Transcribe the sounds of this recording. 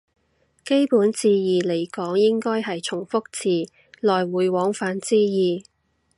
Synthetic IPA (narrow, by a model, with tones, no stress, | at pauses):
ke˥jpuː˨˥nt͡siː˨˧jiː˨le˨˩jkɔː˨˥ŋjɪ˥ŋkɔː˥jɦɐ˨jt͡ʃʰʊ˨˩ŋfʊ˥k̚t͡sʰiː˨˩ | lɔː˨jwuː˨˧jwɔː˨˥ŋfaː˨˧nt͡siː˧jiː˨˩